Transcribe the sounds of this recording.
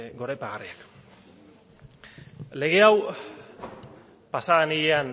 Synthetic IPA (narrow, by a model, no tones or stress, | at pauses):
ɡo̞ɾajpaɣariak | le̞ɣe̞aw | pasaɣenijean